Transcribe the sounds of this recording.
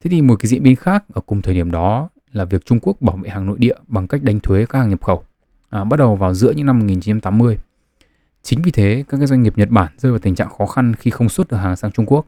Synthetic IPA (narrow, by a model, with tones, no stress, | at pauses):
t̪ʰe˨˦t̪ʰi˨˩mo˨˩t̚kaː˨˦zḭ˧ənɓi˨˦nxaː˦˥k̚ʔəː˧˩kʊ˨˩ŋ͡mt̪ʰəː˨˩jɗi˧˩əmɗɔ˨˦ | laː˨˩vi˨˩ək̚t͡ɕʊ˧ŋ͡mku˦˥ək̚ɓaː˧˩wvḛ˧˨haː˨˩ŋno̰˧˨jɗḭ˧˨əɓa˨˩ŋka˦˥jk̚ɗa˨˧jŋt̪ʰwe˨˦kaː˦k̚haː˨˩ɲə˨˩p̚xə˧˩w | ʔɓa˦˥t̚ɗə˨˩wvaː˨˩wzɨ̰˧˥əɲɨ̰˧˥ŋna˧mːo˨˩t̚ŋi˨˩nt͡ɕi˨˦t͡ɕa˧mt̪ːmːɨ˧əj | t͡ɕï˨˦ŋ̟vi˨˩t̪ʰe˨˦kaː˦˥kːaː˨˦˥zwa˧ŋ̟ŋ˨˩p̚ɲə˨˩t̚ɓaː˧˩nzəː˧jva˨˩t̪ï˨˩ŋt͡ɕa̰ː˧˨ŋxɔ˨˦xa˧nxi˧xə˧wŋ͡mswt̚ʔəː˧˩ɦaː˨˩ŋsaː˨˦ŋt͡ɕʊ˧ŋ͡mku˦˥ək̚